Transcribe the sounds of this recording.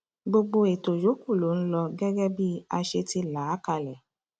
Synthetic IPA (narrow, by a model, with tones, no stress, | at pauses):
ɡ͡bo˧ɡ͡bo˧e˨to˨jo˨˦ku˦˨lo˨˦n̩˦lɔ˧ɡɛ˦ɡɛ˦bi˦a˧ʃe˧ti˧la˨˦ka˦˧˨lɛ˨